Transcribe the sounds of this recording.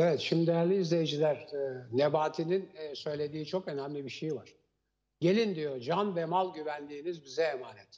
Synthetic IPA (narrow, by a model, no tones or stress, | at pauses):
evɛt̪ʃimd̪id̪ejæɾlʲiːzlʲe̞jed͡ʒilʲæɾnebaːt̪ʰininːsø̞jlʲe̞d̪iːt͡ʃʰo̞kø̞næmlʲibiʃejvaɾ̥ | ɟe̞lʲind̪ijod͡ʒanvɛmalˠɟyvænd̪iːnizbizɛːmaːnɛt̪